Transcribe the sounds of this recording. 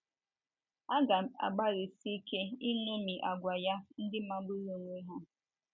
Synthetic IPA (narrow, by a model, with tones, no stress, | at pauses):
a˦ɡa˨a̰˨ɡ͡ba˦ɾi˨si˦ke˦i˦nu˦mi˨ʔa˨ɡʷa˨ja˦n̩˦dɪ˦ma˦bu˦ɾo˦˨ŋʷe˦ɦa˦